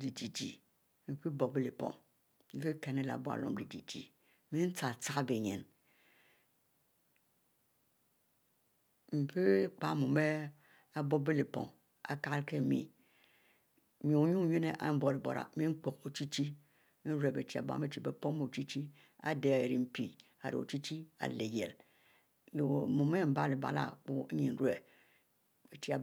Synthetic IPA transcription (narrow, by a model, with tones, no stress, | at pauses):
di˨d͡ʒi˨d͡ʒḭ˨ | mi˨pi˦bo˨be˦le˨pɔ̰˨ŋ | m̩˨fe˦ke˨ne˦la̰˨bo˦a̰˨lo̰˨mdi˨d͡ʒḭ˨d͡ʒḭ˨ | mĩ˦n̩˦t͡sa˨t͡sa˦be˨ɲḛ˨n | m̩˨pe˦k͡pa˦mu˨me˦ | a˦bɔ˦be˦le˨pɔ̰˨ŋ | a̰˨ka˦lke˦mḭ̃˨ | mi˨o˨˦ɲu˦ɲe˦ne˦ʔa̰˨˦m̩˦bo˨li˨bo̰˨ɾa̰˨mi˦ŋ͡m̩˦k͡po˨ko˨t͡ʃi˦t͡ʃi˦ | n̩˦ɾe˨be˨ti˨˦a̰˨ba̰˨˦me˦t͡ʃi˨be˨po˦ŋ˦me˨t͡ʃi˦t͡ʃi˦ | a̰˨de˨e˨ɾi˨m̩˦pi˨ | a̰˨ɾḭ˨o̰˨t͡ʃi˦t͡ʃi˦a̰˨le˨jḛ˨l | lmu˨me˦m̩˨˦ba˦li˨ba̰˨la̰˨k͡pu˦ɲi˨n̩˨˦ɾu˦e˨ | e˨t͡ʃi˦a˨